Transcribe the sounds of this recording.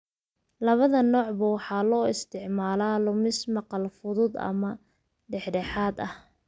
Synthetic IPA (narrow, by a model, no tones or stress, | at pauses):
lɐβɐðɐnɔːʕbɐwɑħɑːlɔːɪst̪ʰɪʕmaːlaːlʊmɪsmɑqɑlfʊðʊd̪ɐ̰mɐ | ɖɛħɖɛħaːd̪ɐh